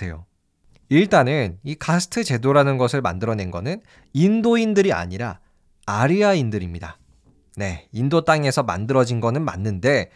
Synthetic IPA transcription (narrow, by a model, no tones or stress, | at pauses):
ejo | iɭt͈anɯnikʰasʰɯ̥tʰɯt͡ɕe̞doɾanɯnɡʌsʰɯɭma̰ndɯɾʌne̞nɡʌnɯn | indoindɯɾia̰ɲiɾa̰ | aɾiaindɯɾimɲida | ne̞indot͈aŋe̞sʰʌma̰ndɯɾʌd͡ʑinɡʌnɯnma̰nːɯnde̞